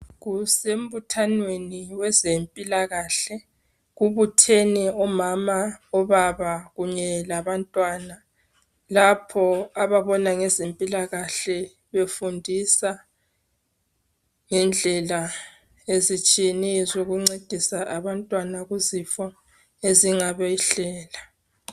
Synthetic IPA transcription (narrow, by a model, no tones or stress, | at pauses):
ɣusem̩butʰanweniwɛzempʼilaɣaɬɛ | ɣuβutʰeniɔmamaɔβaβaɣuɲɛlaβantʼwaːna | lapʰɔaβaβɔnaŋɛzempʼilaɣaɬɛ | βefundʱisa | ŋɛnd͡ɮʱɛla | ezit͡ʃʼijenizoɣuŋ͡ǀed̥ʱisaʔaβantʼwanaɣuzifɔ | eziŋaβɛɬɛːla